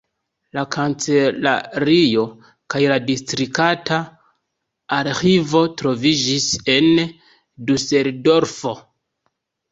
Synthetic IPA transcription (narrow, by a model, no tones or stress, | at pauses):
lakʰant͡sela̰ɾio̞ | kajladistɾikata | aɾxivo̞tɾo̞vid͡ʒise̞n | duse̞ldo̞ɾfo̞